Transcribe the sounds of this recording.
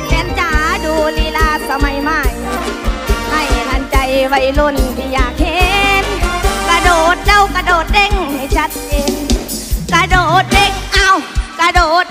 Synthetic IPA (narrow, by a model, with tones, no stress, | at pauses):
mɛ˧˥nt͡ɕaː˧˩˧duː˧niː˧˩laː˧˩sa˧ma˧jmaː˧˩jnɔ˧˦ma˧˩jnʔa˧nt͡ɕa˧jwa˧˩jlo˧˩nt̪ʰiː˧˩jaː˨˩k̚he˧nka˧doː˨˩t̪̚da˧˩˨wka˧doː˨˩t̪̚le˧˥ŋha˧˩jt͡ɕʰa˧˦˥t̪̚t͡ɕeː˧nka˧doː˨˩t̪̚le˧˩ŋʔa˧˩wka˧doː˨˩t̪̚